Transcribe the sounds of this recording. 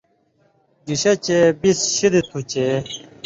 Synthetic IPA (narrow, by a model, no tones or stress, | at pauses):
d͡ʑuɕɐt͡ɕebisɕid̪et̪ʰut͡ɕe